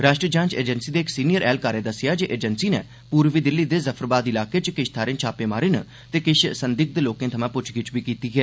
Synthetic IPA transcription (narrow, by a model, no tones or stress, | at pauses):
ɾaːʃʈɾəd͡ʒãːt͡ʃḛːd͡ʒənsiːd̪eːɪksiːnɪjəɾʔɛːlkaːɾeːd̪əsːɪjaːd͡ʒeːʔeːd͡ʒənsiːnɛ̰ː | puːɾʋiːd̪ɪlːiːd̪eːzəpʰəɾbaːd̪ɪlaːkeːt͡ʃkɪʃt̪ʰaːɾẽːnt͡ʃʰaːpeːmaːɾɪn | t̪eːkɪʃsənd̪ɪk̚d̪eːloːkẽːt̪ʰəmãːpʊt͡ʃʰɡɪt͡ʃbiːkiːt̪iːɡɛː